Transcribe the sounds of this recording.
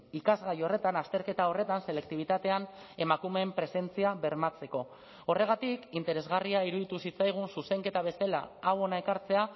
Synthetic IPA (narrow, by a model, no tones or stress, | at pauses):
ikazɣajo̞re̞t̪anast̪e̞ɾke̞t̪ao̞re̞t̪anse̞le̞kt̪iβ̞it̪at̪e̞an | e̞makume̞mpɾe̞se̞nt͡siaβe̞ɾmat͡se̞ko̞ | ore̞ɣ̞at̪ikint̪e̞ɾe̞zɣariaiɾuðit̪usit͡sajɣ̞unsuse̞ŋke̞t̪aβ̞e̞sala̰awo̞nae̞kaɾt͡se̞a